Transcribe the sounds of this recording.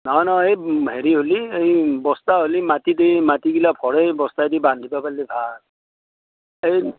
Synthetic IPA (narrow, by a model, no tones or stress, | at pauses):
nɔnɔejɦeɾiɦoliejbɔst̪aɦolimat̪idejmat̪iɡilapʰɔɽejbɔst̪adibandʱibapalːibʱal | ej